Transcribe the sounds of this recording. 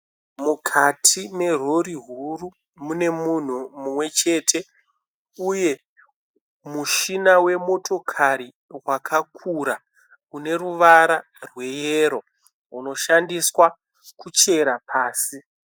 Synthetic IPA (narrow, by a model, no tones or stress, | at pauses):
mukʰatʰine̞ro̞ɾiɦuru | mune̞mun̤umumwe̞t͡ʃe̞ːtʰe̞ | uje̞ | muʃinawe̞mo̞tʰo̞kʰaɾi | rwakʰakʰuɾa | kune̞ruʋaɾa | rwe̞jeːɾo̞ | ɦuno̞ʃandiswa | kut͡ʃe̞ɾapʰaːsi